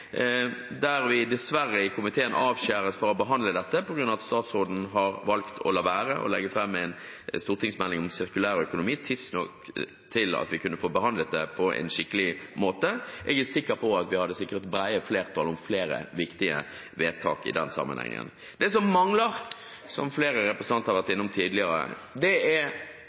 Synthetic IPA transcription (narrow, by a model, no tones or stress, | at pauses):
d̪æɾʋɪd̪ɛsʋæʁːəɪkʰʊmɪt̪ʰeːənɑːʋɕæːɾəsfɔɾɔbəɦɑnd̪ləd̪ɛt̪ːəpɔɡɾʉnːɑʋɑt̪st̪ɑːt̪sʁoːd̪n̩ɦɑʁʋɑlkt̪ʰɔ̰lɑʋæːɾəʔɔ̰lɛ̰ɡəfʁɑmːɛɪn | st̪uːʁt̪ʰɪŋsmɛlːɪŋɔmsɪʁkʉlæːɾœkʊnʊmiːt̪ʰɪsnɔk | t̪ʰɪlɑ̰t̪ʋɪkʰʉnːəfoːbəhɑnd̪lət̪̚d̪ɛpʰɔʔɛ̰nʃɪkːəlɪmoːt̪əʔɛɡæsɪkːəʁpʰɔɑt̪ʋɪhɑd̪ːəsɪkːəʁt̪bɾæɪəfleːʁt̪ʰɑːlɔmfleːɾə̰ʋɪkt̪ɪə̰ | ʋeːt̪ʰɑ̰ːkɪ̰d̪ɛ̰nsɑ̰mːɑnhɛ̰ŋə̰n | d̪ɛsɔmːɑŋləʁ | sɔ̰mfleːɾəɾɛpʁəsənɑnt̪əhɑɾʋæɾt̪ɪnːʊmt̪ʰiːd̪lɪəɾə̰d̪ɛæɾ